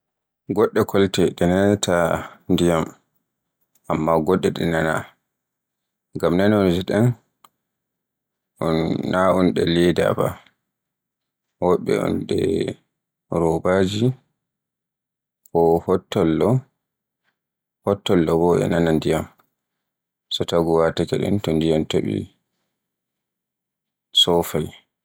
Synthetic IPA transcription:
ɡɔɗːɛkʰɔltɛɗɛnatʰandijam | amːaɡɔɗːɛɗɛnana̰ | ɡamnanɔnd͡ʒɛɗɛn | ɔnːaʔunɗɛ̰lɛda̰ba̰ | hɔɓɛ̰ɔ̰nɗɛ̰ | ɾɔbad͡ʒi | kɔhɔtːɔlːɔ | hɔtːɔlːɔbɔʔɛ̰nanandijam | sɔtaɡɔwatakɛɗɛ̰ntɔndijantoɓḭ | sɔfaj

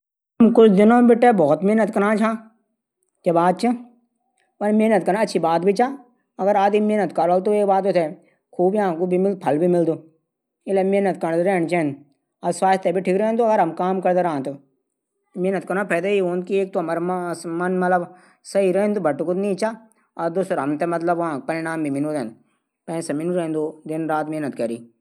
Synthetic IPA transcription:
ɐmkʊld̪ɪnõbɪʈːebɔːt̪meɦnət̪kɐɾãːt͡ʃʰãː | kebaːd̪̚t͡ʃʰɐ | pɐnmeːnət̪kɐɾãːɐtːʃʰibaːt̪̚bʱit͡ʃaː | ɐɡəɾaːd̪imeːnət̪kaɾoːlt̪̬oeːkbaːt̪it̪ʰe | kʰuːbjãːkubʱimɪld̪̚pʰɐlbʱimɪld̪oː | ɪlemeːnət̪kɐɾñt̪ɾɛːñt͡ʃɛ̃n | ɐsʋaːst̪ebʱiʈʰikɾɛːnd̪oɐɡəɾɦɐmkaːmkɐɾd̪eɾãːnt̪o | meːnət̪̚kɐɾapʰɛːd̪aioːnd̪kieːk̚t̪omɐɾmɐnmɐt̪ləb | sɐiɾɛːnd̪obʱɐʈːukʊt̪nĩːt͡ʃaː | ɐd̪oːsɾɐmt̪ɛmɐt̪ləbʋɐãk̚pɐɾɪɽaːmbʱimɪnud̪ẽnd̪ | pɛ̃ːsɐmɪnuɾɛ̃ːnd̪od̪ɪnɾaːt̪meːnət̪kɐɾiː

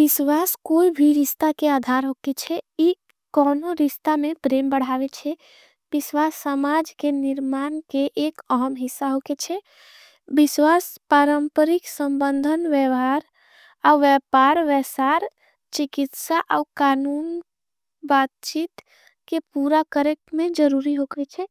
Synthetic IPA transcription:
biswaskoibʱiɾist̪akead̪ʱaɾɦoket͡ʃʰɛi | kɔnoɾist̪amepɾembəɽ̤aʋet͡ʃʰɛ | biswasːəmad͡ʒkeniɾmankeʔːkəɦəmɦisːaɦoket͡ʃʰɛ | biswaspaɾəmpəɾiksəmbənd̪ʱənʋjɛʋɦaɾ | aʋjɛpaɾʋɛsaɾ | t͡ʃikit̪saʔaukanun | bat̪̚t͡ʃiːt̪ | kepuɾakəɾekmẽd͡ʒəɾuɾiɦoket͡ʃʰɛ

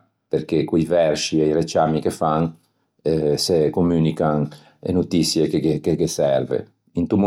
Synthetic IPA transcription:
peɾk̟ekijvɛrsiejɾet͡ʃamikefaŋ | ɛsekomyːnikan | ḛnot̪isjekeekekesɛrvḛ | int̪um

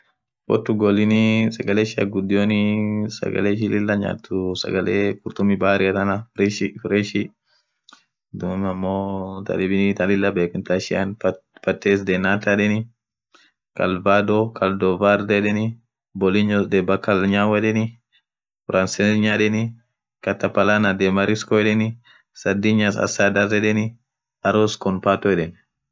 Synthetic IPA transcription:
fɔ̰t̪ːʊɡɔlɪnisɐɡɐleʃɪɐ̰ɡʊd̪ɪjoːnɪsɐ̰ɡɐ̰leːʃ̬ɪlɪlːɐɲa̰ːt̪ːʊsɐ̰ɡɐleːkʊɾt̪ʊmibaːɾɪɐt̪ɐnɐɾʃfɾɛʃi | d̪ʊmmɐmːoːt̪ʰɐ̰lɪbɪnit̪ɐlɪlːɐbeːkʊnt̪aʃɪanpɐt̪ːeːsd̪eːnːaːt̪ːɐᶑɛnɪ | kɐ̰lbad̪ɔkɐld̪ɔvaɾd̪ɛᶑɛnɪ | bɔlɪɲɔsd̪ɛbɐkːɐlɲaːwɛᶑɛnɪ | fʊɾɐnsɛɲaːᶑɛni | kɐt̪ːɐpɐlanad̪emɐɾɪskɔɛɗɛnɪ | sɐd̪ɪɲasɐ̰saːd̪ɐrɛᶑɛnɪ | ɐɾɔskɔnpaːt̪ɔɛᶑɛn

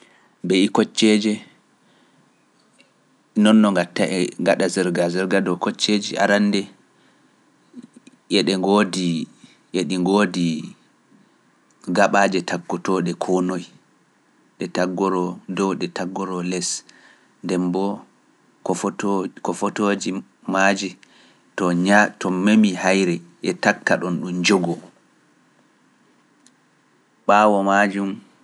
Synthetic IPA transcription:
bɛikɔt͡ʃːɛd͡ʒɛ | nɔnːɔŋɡatːaʔɛŋɡaɗazɛɾɡazɛɾɡadɔkɔt͡ʃːed͡ʒiʔa̰ɾandɛ | jɛɗɛŋɡodi | jɛɗiŋɡodi | ɡaɓaːd͡ʒɛtʰaɡːɔtɔɗɛkʰɔnoj | ɗɛtaɡɔɾɔdɔwɗɛtaɡːɔɾɔlɛs | ndɛmbɔ | kɔfɔtod͡ʒi | mad͡ʒi | tɔɲatɔmemihajɾɛ | ʔɛtakːaɗɔnɗumd͡ʒɔɡɔ | ɓaːwɔmad͡ʒum

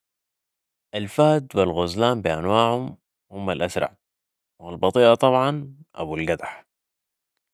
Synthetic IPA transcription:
ʔalfaːd̪wɪlɣʊzlaːmbiʔanwaːʕhʊm | hʊmːalʔasɾˤɑ̰ʕ | walbɑt̪ˤiːʔɑt̪ˤɑbʕɑnʔa̰bulɡad̪aħ

